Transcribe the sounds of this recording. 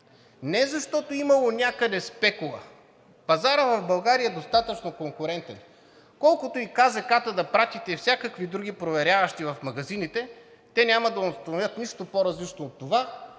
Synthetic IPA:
nɛzɐʃt̪ɔt̪oimɐlˠonʲakəd̪ɛspɛkʊlˠɐ̰ | pɐzaɾəvɐvbɐlˠɡaɾiəɛd̪ost̪at̪ət͡ʃnokoŋkʊɾɛnt̪ɛn | kɔlˠkʊt̪oikazɛkat̪əd̪ɐpɾat̪it̪ɛifsʲakəkvid̪ɾuɡʲipɾovɛɾʲavɐʃt̪ivɐfmɐɡɐzinit̪ɛ | t̪ɛnʲamɐd̪ɐost̪ɐnovʲjət̪niʃt̪opoɾɐzlit͡ʃnoːt̪ːova

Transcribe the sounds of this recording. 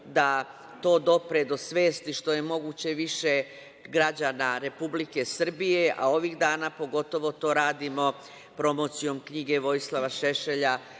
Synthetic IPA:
d̪a | t̪o̞ːd̪o̞pɾed̪o̞sʋe̞ːst̪iʃt̪oje̞mo̞ɡuːt͡ɕe̞ʋiʃe | ɡɾad͡ʑaːnaɾe̞publike̞sr̩bijeʔa̰o̞ʋiːxd̪aːnaːpo̞ɡo̞t̪o̞ʋo̞t̪o̞ːɾaːd̪imo̞ | pɾo̞mo̞t̪sijo̞mkɲiɡe̞ʋo̞jslˠaʋaʃeʃe̞ʎa

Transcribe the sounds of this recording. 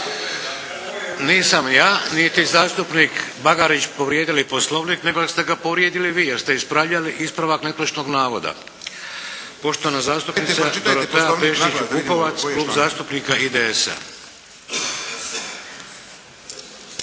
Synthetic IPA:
niːsamjaːnit̪izaːst̪upniːkbaɡaɾit͡ɕpo̞ʋɾjeːd̪iliposlˠoʋnikne̞ɡost̪e̞ɡapoʋɾjeːd̪iliʋiːjeɾst̪eispɾaʋʎaliʔispɾaʋaknet̪lot͡ʃnoɡnaːʋo̞d̪a̰ | po̞ʃt̪oʋanazaːst̪upnisap̪oɾot̪eapeːʃit͡ʃkukoʋat̪sluːbzaːst̪upnikaʔid̪eesa̰

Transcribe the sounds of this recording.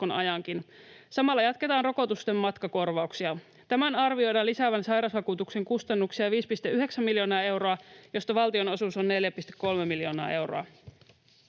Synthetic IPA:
onʔɑ̰jɑŋkinsɑmɑlːɑjɑt̪ke̞t̪ɑːnro̞ko̞t̪ust̪emːɑt̪kɑko̞rʋɑuksiɑ | t̪æmænɑrʋio̞jdɑlisæʋænsɑjɾɑsʋɑkuːt̪ukse̞ŋkust̪ɑnːuksiɑʋiːspist̪eʔyɦe̞ksæmːiljo̞ːnɑːe̞wɾo̞ɑjo̞st̪ɑʋɑlt̪io̞no̞susonːe̞ljæpist̪ekːo̞lmemiljo̞ːnɑ̰ːʔe̞wɾo̰ɑ

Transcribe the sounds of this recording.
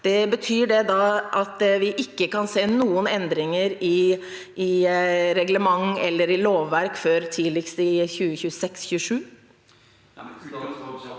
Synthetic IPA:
d̪̥ɛbət̪ʰyːɖɛd̪ɑʔɑt̪ʋɪʔɪkːəkɑnseːnuːənɛnd̪ɾɪŋəɾɪ | ɪɾɛɡləmɑŋɛlːəɾɪloːʋːæɾkføɾt̪ʰiːlɪkst̪ɪçʉːəçʉːəsɛksçʉːʂʉː

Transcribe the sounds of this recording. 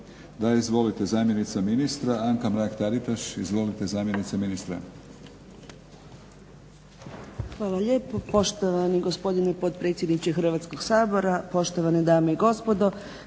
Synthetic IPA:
d̪aizʋo̞lit̪ezaːmjenit̪saminist̪ɾaaŋkamɾakt̪aɾit̪aʃizʋo̞lit̪ezaːmjenit̪saminist̪ɾa̰ | xʋaːlaʎe̞ːpopo̞ʃt̪oʋaniɡospo̞d̪inepo̞t̪pɾe̞ːt̪sje̞d̪nit͡ɕexr̩ʋat̪sko̞ɡ̥saːbo̞ɾapo̞ʃt̪oʋaned̪aːmeiɡo̞spo̞d̪o̞

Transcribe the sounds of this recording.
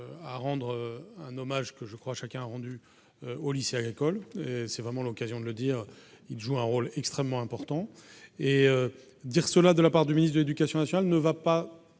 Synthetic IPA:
aʁɑ̃d̪ʁøɛ̃nɔmaʒkəʒəkχwaʃakʲɛ̃aʁɑ̃d̪y | øolisjeaɡʁikɔlesɛvʁɛmɑ̃lɔkazjɔ̃d̪ələd̪iʁ | ilʒuɛ̃ʁolɛkst̪χɛmːɑ̃ɛ̃pɔʁt̪ɑ̃eø | d̪iʁsəlad̪əlapaʁd̪yminisd̪əled̪ykasjɔ̃nasjɔnalnəvapa

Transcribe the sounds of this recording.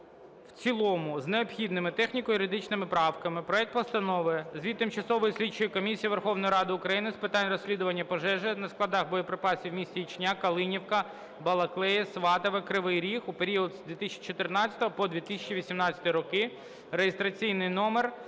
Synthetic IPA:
wt͡sʲilˠɔmʊzneɔpxʲid̪nɪmɪt̪ɛxnʲikɔjʊɾɪd̪ɪt͡ʃnɪmɪpɾɑwkɐmɪpɾɔɛk̚t̪̚pɔst̪ɐnɔʋɪɛzʲʋʲit̪t̪ːɪmt͡ʃɐsɔʋɔjisʲlʲit͡ʃːʊjɪkɔmʲisʲijiʋerxɔwnɔjiɾɑd̪ɪʊkɾɐjinɪspɪt̪ɑnʲrɔsʲlʲid̪ʊʋɐnʲːɐpɔʒɛʒɛnɐsklˠɐd̪ɑxbɔjɔpɾɪpɑsʲiwmʲisʲt͡sʲiit͡ʃnʲakɐlˠɪnʲiwkɐ | bɐlˠɐklˠɛjɛsʋɑt̪ɐʋekɾɪʋɪjɾʲixupeɾʲiɔd̪zd̪ʋʲit̪ɪsʲt͡ʃit͡ʃɔt̪ɪrnɑt͡sʲɐ̥t̪ɔɦɔpɔd̪ʋʲit̪ɪsʲɛt͡ʃiʋʲisʲimnɑt͡sʲɐ̥t̪ɔjɾɔkɪ | rejest̪ɾɐt͡sʲijnɪjnɔmer

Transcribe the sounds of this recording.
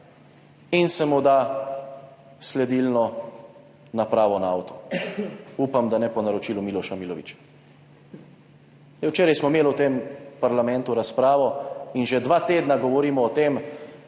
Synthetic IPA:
insɛmud̪a | slɛd̪ilnɔ | napɾaːʋɔnaawt̪ɔ̥ | upamd̪anɛpɔnaɾɔt͡ʃiːlumiːlɔʃamiːlɔʋit͡ʃ | nɛwt͡ʃeːɾajsmɔimeːlwt̪eːmpaɾlamɛ̃nt̪uɾaspɾaːʋɔinʒɛd̪ʋaːt̪eːd̪naɡɔʋɔɾiːmɔːt̪em

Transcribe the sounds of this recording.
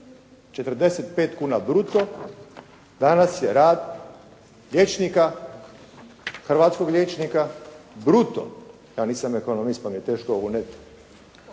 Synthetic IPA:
t͡ʃet̪r̩d̪eset̪pe̞ːt̪kuːnabɾut̪o | d̪anasjeɾaːd̪ | ʎʲjet͡ʃnika | xr̩ʋaːt̪sko̞ɡlʲjeːt͡ʃnikabɾut̪o̰ | jaːniːsameko̞nomist̪̚pamije̞t̪e̞ːʃkoounet̪

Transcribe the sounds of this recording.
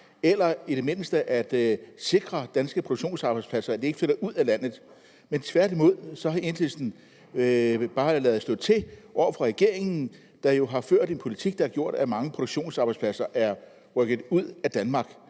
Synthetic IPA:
elɐid̥e̝me̝nəsd̥əʔæd̥se̝ɡ̥ʁɐd̥ænsɡ̥əpʰooɡ̥ɕo̝̰ːnsɑ̈ːb̥aɪspʰlæsɐæd̥ee̝ɡ̥føɾɐuð̞̰ˠælæn̰ð̞̩ˠ | ment͡sʰʋæɐd̥imo̝ð̰ˠsɒ̽ɦɑ̈e̝n̥ʰesn̩ | b̥ɑ̈ːlɛːð̩ˠsd̥ɔ̽ðˠt͡sʰe̝ʔɒʊ̰ɐfʁɑ̈ʁɛɡ̥e̝ɐ̰e̝ŋn̩ | d̥ɑ̈jo̝ɦɑ̈føɐ̰de̝npʰo̝lit͡sʰiɡ̥̚d̥ɑ̈æɐɡ̥jo̝ɐ̰d̥æmɑ̈ŋəpʰʁoɾo̝ɡ̥ɕo̝̰ːnsɑ̈ːb̥ɑɪspʰlæsɐʔæɐ | ʁœɡ̥ð̩ˠuð̰ˠæd̥ænmɑ̈ɡ̥

